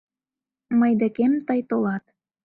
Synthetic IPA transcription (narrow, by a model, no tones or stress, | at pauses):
mɤjd̪ə̆kemt̪əjt̪olɑt̪̚